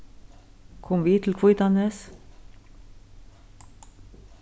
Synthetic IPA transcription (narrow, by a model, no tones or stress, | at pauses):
kʰɔmʋiːt̪ʰl̩kʰʋuɪt̪ɑnəs